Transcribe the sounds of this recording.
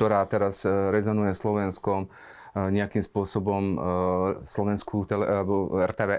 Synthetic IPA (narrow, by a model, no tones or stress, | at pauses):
t̪ɔɾaːt̪ɛɾazɾɛzɔnujɛslɔʋɛnskɔm | ɲɛakiːmspʊɔsɔbɔm | slɔʋɛnskut̪ɛlɛɛbɔɛɾt̪ɛːʋɛː